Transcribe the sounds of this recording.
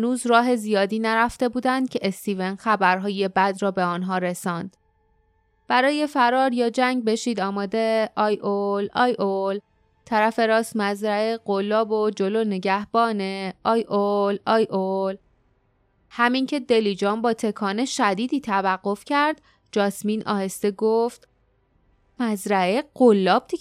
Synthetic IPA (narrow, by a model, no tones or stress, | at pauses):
hnuːzɾɒːɦe̞zijɒːd̪iːnæɾæft̪e̞buːd̪ænd̪̥̚cʰe̞ʔest̪iːvenxæbæɾɦɒːje̞bæd̪ɾɒːbe̞ɒnɦɒːɾe̞sɒːnd̪̥ | b̥æɾɒːje̞fæɾɒːɾjɒːd͡ʒæŋɡ̚be̞ʃiːd̪ɒːmɒːd̪e̞ʔɒːjʔolɒːjol | t̪ʰæɾæfe̞ɾɒːst̪mæzɾæeɢ̥olːɒːbod͡ʒo̞loːne̞ɟæhb̥ɒːneʔɒːjʔolɒːjʔol | hæmiːncʰe̞d̪e̞liːd͡ʒɒːmbɒːt̪ʰe̞kʰɒːne̞ʃæd̪iːd̪iːt̪ʰævæɢːo̞fcʰæɾd̪̥ | d͡ʒɒːsmiːnʔɒ̰ːhe̞st̪eɡoft̪ | mæzɾæeɡolːɒːb̥̚t̪ʰi